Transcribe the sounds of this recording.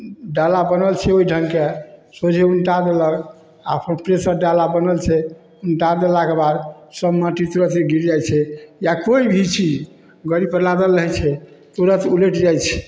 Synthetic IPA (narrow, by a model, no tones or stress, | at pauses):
ɖalabənəlt͡ʃʰɛoiɖʱəŋkesod͡ʒʱeunʈad̪eləɡ | apʰənpɾesəɾɖalabənəlt͡ʃʰɛ | unʈad̪elakebad̪səbmaʈit̪ɾət̪eɡʱiɾd͡ʒajt͡ʃʰɛjakoibʱit͡ʃʰid͡ʒ | ɡəɾipəɾlad̪əlːəɦɛt͡ʃʰɛt̪oɾət̪uleʈd͡ʒajt͡ʃʰɛ̥